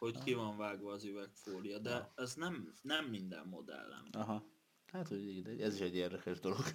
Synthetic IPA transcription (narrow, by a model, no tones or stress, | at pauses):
ho̞ckivɒɱvaːɡʋɒːzyvɛkfoːlijɒd̪ɛɛznɛmnɛmːind̪ɛ̰mːo̞̰d̪ɛ̰lːɛ̰nɒɦɒ | lɛɦɛt̪hoɟiɡd̪ɛɟɛziʃɛɟːeːrd̪ɛkɛʒd̪o̞loɡ̥